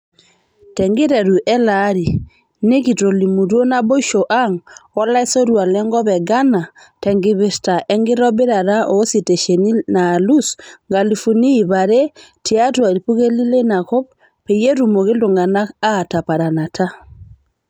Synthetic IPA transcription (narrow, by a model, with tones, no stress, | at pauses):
tɛ˨ŋɡɪ˦ɾɛ˨ɾu˨ʔɛ˦la˦ɾi˨ | nɪ˦ki˨to˨li˨mu˨ɾo˦na˦bo˦ʃo˨ʔa˦ŋɔ˦la˦e˦so˦ɾwa˨lɛ˦ŋɡɔ˦βɛ˨ɡa˦na˨ | tɛ˨ŋɡɪ˨βɪ˨ɾta˨ʔɛ˦ŋɡɪ˦ɾɔ˦bɪ˦ɾa˨ɾa˦ʔo˨˦si˨te˨ʃe˨ni˦na˨lu˦sŋɡa˨li˨fu˨niː˦˨βa˨ɾe˦tɪ˨a˦twa˨ɾi˨pu˦ɣe˦li˦le˦na˨kɔ˦p̚ | pe˨je˦ɾu˨mo˨kɪ˦ldʊ˨ŋɡa˨na˦a˦˨ta˨pa˨ɾa˨na˨tʰa˦